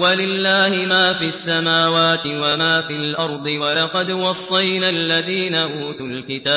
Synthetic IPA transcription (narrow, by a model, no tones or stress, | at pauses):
walɪlːaːhɪmaːfiasːamaːwaːt̪ɪwamaːfilʔɑɾˤd̪ˤɨwɑlɑqɑd̪wɑsˤːɑjnalːaðiːnaʔuːt̪ʊlkɪt̪aː